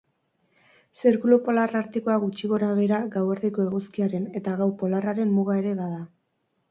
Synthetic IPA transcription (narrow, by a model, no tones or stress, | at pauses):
seɾkulopo̞laraɾt̪iko̞aɣut͡ʃiɣo̞ɾaβ̞e̞ɾaɡawe̞ɾðiko̞e̞ɣuskiaɾe̞ne̞t̪aɣ̞awpo̞laraɾe̞mmuɣae̞ɾe̞βaða